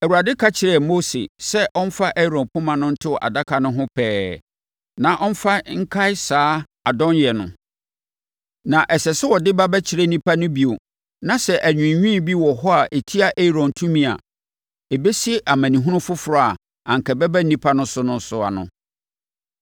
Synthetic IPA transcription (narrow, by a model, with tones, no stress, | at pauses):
æ˨wu˨ɾa˨dɪ˦kʰa˦t͡ɕʰɪ˨ɾɛ˦˨mo˦sḛ˨sɛ˦ʔɔ˦n̩˦fa˦ʔɛ˦˨ɾɔ̃˨pʰʊ̃˦mã˨nʊ̃˦n̩˦tʰɪ˦˨ʔa̰˨da˦kʰa˨nʊ̃˦ɦʊ̃˦pʰɛː˦ | nã˨ʔɔ˦n̩˦fa˦ŋ̩˦kʰa˦ɪ˦saː˦ | a˨dɔ̃˦n˦jɛ˨nʊ̰̃˨ | nã˨ʔɛ˨ɕɛ˨sɛ˦wɔ˨dɪ˦ba˦bɛ˦t͡ɕʰɪ˨ɾe˦nĩ˦pʰa˦nʊ̃˦bi˨o˨ | nã˨sɛ˦˨ʔæ˨ɲᶣʊ̃˨ɲᶣĩ˦˨bi˦wɔ˨ɦɔ˦a˨ʔe˨tʰi˦a˨ʔe˦˨ɾɔ̃˨n˨tʰũ˦mĩ˦a̰˨ | e˨be˦si˦e˦ʔa˨mæ̃˨nĩ˨ɦʊ̃˦nʊ̃˦fʊ˦fʊ˨ɾɔ˦a˨ | ã˨ŋ̩˨kʰɛ˨bɛ˦bɛ˦n̩˦nĩ˦pʰa˦nʊ̃˦sʊ˦nʊ̃˦n˦sʊ˨a̰˨nʊ̰̃˨